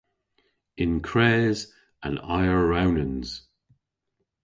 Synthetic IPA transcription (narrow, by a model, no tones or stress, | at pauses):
ɪ̃nkʰɹ̥ɛːz | ə̰̃na̰ɪəɹawnə̃nz̥